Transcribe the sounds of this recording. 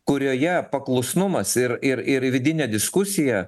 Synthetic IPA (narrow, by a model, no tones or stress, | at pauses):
kʊɾʲoːjɛpɐklˠʊsnʊmɐsɪɾɪɾɪɾʋʲɪd̪ʲɪnʲɛd̪ʲɪskʊsʲɪjɛ